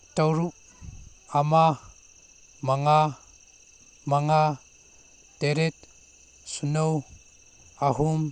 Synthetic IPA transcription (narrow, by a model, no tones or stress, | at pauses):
tawɾuk̚ | ama | maŋa | maŋa | teɾet̚ | sunow | aɦum